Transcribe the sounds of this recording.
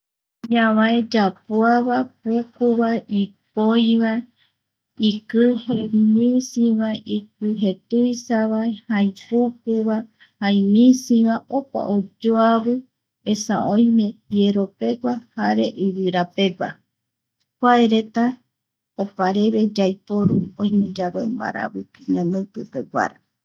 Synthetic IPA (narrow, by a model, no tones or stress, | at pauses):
ɲaβaed͡ʒapuaβapukuβaipojβa | ikɨhemĩsĩβaʔik̚ɨɦet̪ujsaβaehajpuk̚uβa | haj̃mĩsĩβaʔopa̰ʔod͡ʒoaβɨ | esa̰ʔõjmẽjeɾope̞ɡʷahaɾeʔiɾɨɾapeɡʷa̰ | kʷaeɾet̪a | opaɾeβe̞d͡ʒajpoɾuõjmẽd͡ʒaβemba̰ɾa̰βɨɲãnɨ̃pɨpeɡʷa̰ɾa